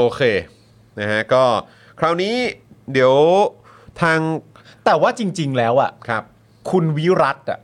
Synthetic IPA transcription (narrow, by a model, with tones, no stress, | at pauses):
ʔoː˧˩kʰeː˧ | na˦kʰa˦˥kɔː˥˩ | kʰɾaː˧˩wniː˦˥di˨˩˦əw | t̪ʰaː˧ŋ | t̪ɛː˨˩waː˥˩t͡ɕi˧ŋt͡ɕi˧ŋlɛː˦˥wʔa̰˨˩kʰa˦˥˩p̚ | kʰu˧nwi˦˥ɾa˦˥t̪̚ʔa̰˩ʔ